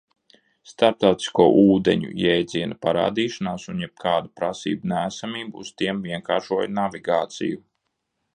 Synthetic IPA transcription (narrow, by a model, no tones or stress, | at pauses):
st̪aɾp̚t̪awt̪i̥skuɔʔuːd̪eɲṵjɛjd̪ziɛnupaɾa̰ːd̪iːʃanaːsunjɛb̥̚kʰaːd̪upɾasḭːbunæːsamiːbuust̪iɛmviɛŋkaːɾʃuɔjnaviɡaːt̪sḭju